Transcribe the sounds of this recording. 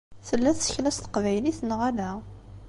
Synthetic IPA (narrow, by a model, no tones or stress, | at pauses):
θəlːæθsə̥çlæst̪ə̥qvæjliθnʁælæ